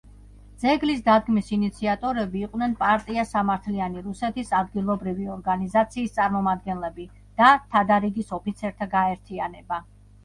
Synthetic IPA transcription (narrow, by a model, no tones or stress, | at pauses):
d̪z̥ɛɡlis̬d̪ad̪ɡmisinit̪sʰiat̪ʼɔɾɛbiːqʼnɛnpʼaɾt̪ʼiasamaɾt̪ʰlianiɾusɛt̪isad̪ɡilˠɔbɾiviɔɾɡanizat̪sʰiːst̪sʼaɾmɔmad̪̚ɡɛnlɛbi | d̪̥at̪ʰad̪aɾiɡisɔpit̪sʰɛɾt̪ʰaɡaɛɾt̪ʰianɛba